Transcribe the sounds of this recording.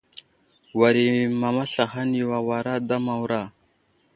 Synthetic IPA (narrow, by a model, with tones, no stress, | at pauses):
wa˨ɾi˨ma˨ma˦ɬa˨xa˦nji˨wa˨wa˨ɾa˦da˦ma˨wɾa˦˨